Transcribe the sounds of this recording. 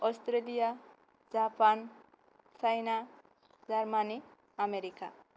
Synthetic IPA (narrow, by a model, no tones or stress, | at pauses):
ɔst̪ɾelija | d͡ʒapan | t͡sajna | d͡zaɾmani | ameɾika̰